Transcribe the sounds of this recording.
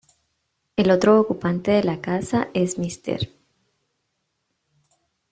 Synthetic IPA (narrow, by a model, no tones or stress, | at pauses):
e̞lo̞t̪ɾo̞ːkupant̪e̞ðe̞lakasaʔe̞smist̪ḛɾ